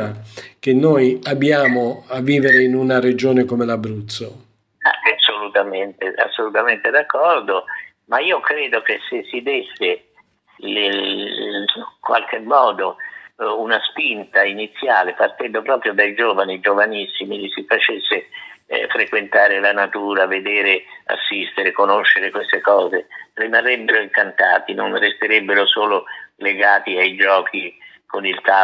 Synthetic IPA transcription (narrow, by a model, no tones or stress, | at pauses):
ak̟enːojabːjaːmoavːiːveɾeinunared͡ʒoːnekomelabɾut̪sːo | a̰asːolut̪ament̪ea̰sːolut̪ament̪ed̪akːɔrd̪o | maiːokɾeːd̪ok̟esːesːid̪esːe | l | kwa̰lkʰemːɔːd̪o | unaspint̪ainit̪sːjaːlepart̪ɛnd̪opɾɔːpɾjod̪ajd͡ʒɔːvanid͡ʒovanisːimilisifat͡ʃesːɪfɾekwent̪aːɾɪlanat̪uːɾaved̪ɛːɾɪa̰sːist̪ɪɾekonoʃːeɾɪkwest̪ekɔːzerimarːɛbːeɾoiŋkant̪a̰ːt̪inonrest̪iɾɛbːeɾosoːlʊleɡaːt̪iajd͡ʒɔːkʰi | konilt̪a